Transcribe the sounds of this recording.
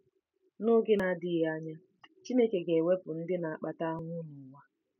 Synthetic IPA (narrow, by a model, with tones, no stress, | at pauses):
nʊ˦ɡɪ˦na˦dɪ˦ɣa˦ɲa˦ | t͡ʃi˦ne˦ke˨ɡe˨we˦pʊ˨n̩˦dɪ˦na˨a˨k͡pa˦ta˦ŋʷʊ˦nʊ˨ŋʷa˦